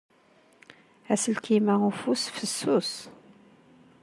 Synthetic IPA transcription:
æsəlkimæʁufusfəsːus

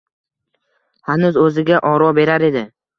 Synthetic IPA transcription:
hanʊzɵzɪɡʲaʔɒɾɒbe̞ɾaɾe̞d̪ɪ

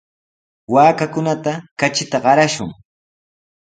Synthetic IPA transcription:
waːkakʊnat̪akat͡ʃɪt̪aɢɑɾaʃʊŋ

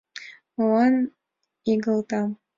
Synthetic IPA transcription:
lɑn | iɡɤ̆lˠt̪ɑ

